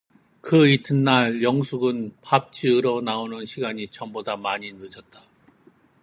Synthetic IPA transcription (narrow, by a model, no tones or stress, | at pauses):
kɯitʰɯnːaɭjʌŋsʰuɡɯnpap̚t͡ɕ͈ʰiɯɾʌnaonɯnɕʰiɡaɲit͡ɕʌmbodamaɲinɯd͡ʑʌt̚t͈a